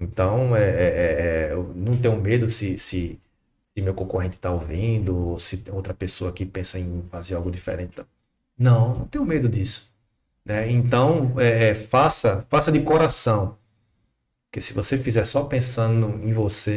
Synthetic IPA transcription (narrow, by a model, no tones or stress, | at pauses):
ẽnt̪ɐ̃w̃ɛɛʔɛɛnɐ̃w̃t̪̬ẽjʊmed̪ʊsɪsɪ | sɪmewkõkoɦẽnt̪ɪ̥t̪aovĩnd̪ʊosɪt̪owt̪ɾɐpesoɐkɪpẽsɐẽj̃fazeɾawɡʊd̪ifḛɾẽt̪ɪt̪ɐ̃ | nɐ̃w̃nnɐ̰̃w̃t̪ẽj̃ʊmed̪ʊd̪isʊ̥ | nɛẽnt̪ɐ̃w̃ɛɛfasɐfasɐd̪ɪkoɾasɐ̃w̃ | pkesɪvosefizɛɾsɔpẽsɐ̃d̪ʊẽj̃vose